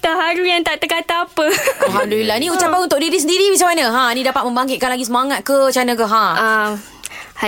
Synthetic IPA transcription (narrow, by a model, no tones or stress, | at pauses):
t̪aɦaɾujaŋt̪aʔt̪əkat̪aːpəɦamdulilːanĩut͡ʃapanunt̪ʊkʔ̚diɾisəndiɾimisamanə̃ɦãnĩdapat̪̚mə̃mbaŋkɪt̪̚kanlaɡisəmaŋat̪̚kət͡ʃanə̃kəɦã | ha